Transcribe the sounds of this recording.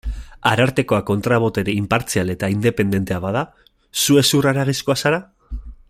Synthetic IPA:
aɾaɾt̪e̞ko̞ako̞nt̪ɾaβ̞o̞t̪e̞ɾe̞impaɾt͡siale̞t̪aind̪e̞pe̞nd̪e̞nt̪e̞aβað̞a | sue̞suraɾaɣ̞iskoasaɾa

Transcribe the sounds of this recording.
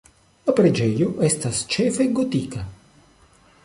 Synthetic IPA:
lapɾed͡ʒɛːjoʔɛst̪ast͡ʃɛːfeɡot̪iːka

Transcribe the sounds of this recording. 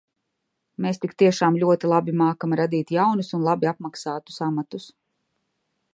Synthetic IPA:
meːst̪ikt̪iɛʃaːmlʲuɔt̪ilˠabimaːkamɾad̪iːt̪jawnusunlˠabiap̚maksaːt̪u̥samat̪us

